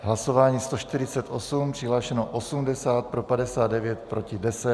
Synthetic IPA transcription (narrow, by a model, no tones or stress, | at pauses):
ɦlaso̞vaːɲiːst̪o̞ʃt̪ɪɾɪt͡sɛt̪ʔo̞sumpr̥ɪɦlaːʃɛnoʔosumdɛsaːt̪̚pɾo̞padɛsaːd̪dɛvjɛt̪pɾo̞cɪdɛsɛ